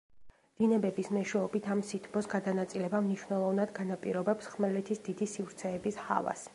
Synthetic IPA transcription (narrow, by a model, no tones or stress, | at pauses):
d̪̥inɛbɛbismɛʃwɛɔbit̪ʰamsit̪ʰbɔsɡad̪anat̪sʼilɛbamniʃwnɛlˠɔvnad̪ɡanapʼḭɾɔbɛpsχmɛlɛt̪ʰisd̪id̪isivɾt̪sʰɛːbisha̰va̰s